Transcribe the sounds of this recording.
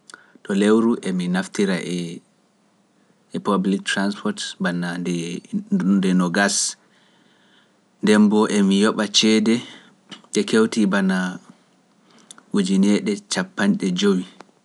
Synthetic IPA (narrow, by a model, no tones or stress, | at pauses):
ɗɔlewɾuʔeminaftiɾaʔɛ | ɛpablik̚tɾanspʰɔtbana | dɛnɔɡas | ndɛmbɔʔemijɔɓat͡ʃɛdɛ | ʔɛkewtibana | wud͡ʒinɛɗɛt͡ʃapːanɗɛd͡ʒowi